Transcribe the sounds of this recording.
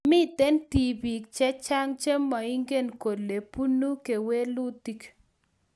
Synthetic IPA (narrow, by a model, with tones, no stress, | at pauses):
mi˦t̪e˦nti˨bi˨kt͡ʃɛ˦t͡ʃa˦ŋt͡ʃe˦mːa˨i˦ŋɡe˦nko˨dle˨pu˦nu˦ke˨we˦lu˦ti˦k